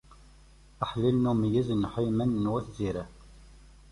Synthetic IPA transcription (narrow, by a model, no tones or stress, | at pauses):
æħlilnumjiznħimænnwæθziɾæ